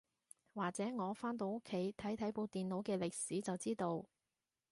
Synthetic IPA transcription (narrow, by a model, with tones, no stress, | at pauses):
waː˨k̚t͡sɛː˨˥ŋɔː˨˧faː˥nt̪o˧wo˥kʰːe˨˥jt̪ʰɐ˨˥jt̪ʰɐ˨˥jpo˧wt̪iː˨nlo˨˥wkɛː˧lɪ˨k̚siː˨˥t͡sɐ˨wt͡siː˥t̪o˧w